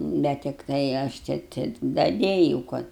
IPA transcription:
ˈbʲɛt tʲɪkˈtɐɪ ˈɐʃ ˈt͡ʃʲɛ tʲɪk dɐˈdʲeːjuːʊ ˈkɐt

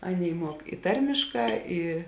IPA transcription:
ˈɑːˌnʲeːɪ ˈmuɔk ɪ ˈtɐrʲmʲɪʃˌkɑː ˈɪ

